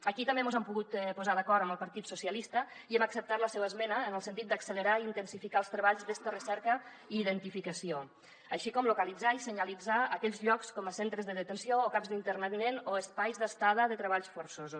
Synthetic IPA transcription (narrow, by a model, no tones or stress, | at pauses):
əkit̪əmbemuzɛmpuɣut̪puzaðəkɔɾt̪əmbəlˠpəɾt̪it̪susiəlist̪əiɛməksəp̚t̪aɾləsɛwəzmɛnəːnəlˠsənt̪it̪̚d̪əksələɾaint̪ənsifikaəlˠst̪ɾəβaʎzðɛst̪ərəsɛɾkə | iːðənt̪ifikəsio | əʃikɔmlukəlid͡zaisəɲəlid͡zaəkɛʎzʎɔkskɔməsent̪ɾəzðəðət̪ənsioːkapzðint̪əɾnəðinenoəspajzðəst̪að̞əðət̪ɾəβ̞aʎsfoɾsoz